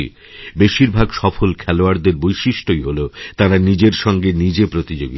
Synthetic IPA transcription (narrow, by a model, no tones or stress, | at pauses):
ḭ | beʃiɾbʱaɡʃɔfolkʰɛloaɾd̪eɾbojʃiʃʈojɦolot̪aɾanid͡ʑeɾʃɔŋɡenid͡ʑepɾot̪id͡ʑoɡi